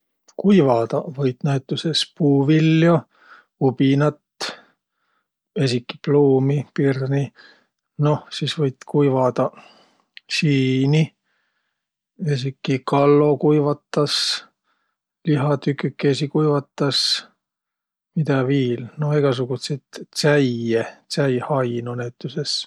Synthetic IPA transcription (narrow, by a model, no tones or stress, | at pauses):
kujvɑd̪̥ɑvɤjt̪ːnæjt̪ːˑusespuːviljo | ubinɑt̪ | esikːi̥pluːmipirni | no̞hsiːsvɤjt̪kujvɑd̪̥ɑ | siːni | esikːikɑlːo̞kujvɑt̪ːɑs | liɦɑt̪ykːykːesikujvɑt̪ːɑs | mid̪ɑviːlnoeɡ̥ɑs̬uɡ̥ut̪set̪sæjet̪sæjhɑjnonet̪ˑːuses